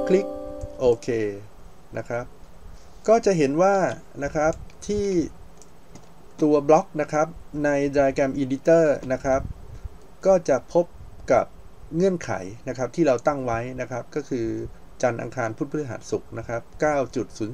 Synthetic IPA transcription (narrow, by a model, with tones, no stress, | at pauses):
kʰli˦˥k̚ʔoː˧kʰeː˧ | na˦˥kʰɾa˦˥p̚ | kɔː˥˩t͡ɕa˨˩ʔɦe˩˦nwaː˥˩ | na˦˥kʰɾa˦˥p̚t̪ʰiː˥˩ | t̪u˧ɐblɔ˦˥k̚na˦˥kʰɾa˦˥p̚na˧jdɾaː˧jkɛ˧mʔiː˧di˦˥t̪ɤː˥˩na˦˥kʰɾa˦˥p̚ | kɔː˥˩t͡ɕa˨˩pʰo˦˥p̚ka˨˩p̚ | ŋɤ˥˩ənkʰa̰˩˦jna˦˥kʰɾa˦˥p̚t̪ʰiː˥˩ɾa˧wt̪a˥˩ŋwa˦˥jna˦˥kʰɾa˦˥p̚kɔː˥˩kʰɯː˧ | t͡ɕa˧nʔa̰˧ŋkʰaː˧npʰu˦˥t̪̚b̪ʰɦa̰ː˩˦nsu˨˩k̚na˦˥kʰɾa˦˥p̚kaː˥˩wt͡ɕu˨˩t̪̚suː˩˦n